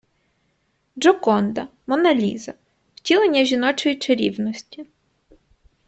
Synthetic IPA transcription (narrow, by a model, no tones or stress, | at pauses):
d͡ʒɔkɔnd̪ɐmɔnɐlʲḭzɐ | wtʲilˠenʲːɐʒʲinɔt͡ʃɔjit͡ʃeɾʲḭwnɔsʲtʲi